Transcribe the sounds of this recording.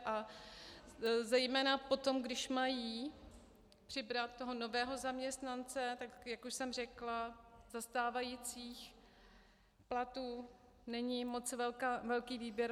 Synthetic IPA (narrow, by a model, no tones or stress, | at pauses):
ʔa | zɛjmɛːnapo̞t̪o̞mɡdɪʃmajiː | pr̥ɪbɾat̪ːoɦo̞no̞vɛːɦo̞zamɲɛst̪nant͡sɛt̪akjakuʃsɛmr̝ɛklazast̪aːvajit͡siːx | plat̪uː | nɛɲɪmo̞t͡svɛlkavɛlkiːviːbjɛɾ